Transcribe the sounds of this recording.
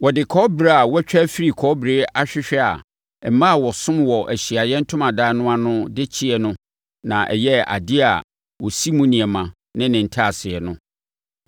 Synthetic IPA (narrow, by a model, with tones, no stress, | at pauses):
wɔ˨dɪ˨kʰɔː˦bɾa˦a˨wɔ˦t͡ɕᶣɛ˦fi˦ɾi˨kʰɔ˦bɾeː˨˦a˦ɕᶣɪ˦ɕᶣɛ˦a̰˨ | ɛ˨m̩˨mã˦˨wɔ˨sʊ̃˦mwɔ˨ʔæ˨ɕi˨a˨jɛ˦n̩˦tʰʊ̃˦mã˨da˦nʊ̃˦a˦nʊ̃˦dɪ˦t͡ɕʰi˦ɛ˨nʊ̃˦ | nã˨ʔɛ̰˨jɛ˦a̰˨di˦a˨ | wɔ˨si˦mũ˦nĩ˨ɛ˨mã˨ | nɪ̃˦nɪ̃˨n̩˨tʰa˦˨sɪ˨ɛ˨nʊ̃˦